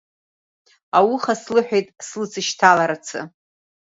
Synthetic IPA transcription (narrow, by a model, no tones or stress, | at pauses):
awuχaslɨħʷᶣejtʼslɨt͡sʰɨʃtʰalaɾat͡sʰɨ̰